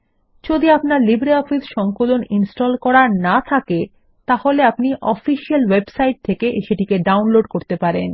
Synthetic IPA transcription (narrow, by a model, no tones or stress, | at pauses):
d͡ʑod̪iapnaɾlibɾeɔfisʃɔŋkoloninsʈɔlkɔɾanat̪ʰake | t̪aholeapniʔɔfiʃialwebsajʈ̚t̪ʰekeʔʃeʈikeɖawnloɖkoɾt̪epaɾen